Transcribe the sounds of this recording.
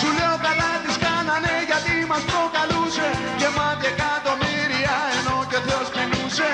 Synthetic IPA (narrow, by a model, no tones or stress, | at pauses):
suleokaðat̪iskananeʝat̪imaspɾokaluse | jemat̪ekat̪omiɾiaenoceθeospinuse